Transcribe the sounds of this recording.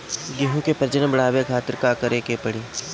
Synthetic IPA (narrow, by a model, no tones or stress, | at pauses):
ɡeɦũkepɐɾd͡ʒənbəɽaːʋekʰaːt̪ɪɾkakəɾeːkepɐɽiː